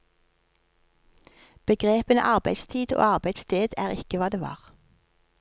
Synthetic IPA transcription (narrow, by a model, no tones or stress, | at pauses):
b̥əɡʁeːpənə̰ʔɑʁbæ̰ɪd̪st̪ʰiːd̪o̰ːɑʁbæɪd̪st̪ʰeːd̪æːʁɪkəʋɑːd̪eːʋɑ̰ːʁ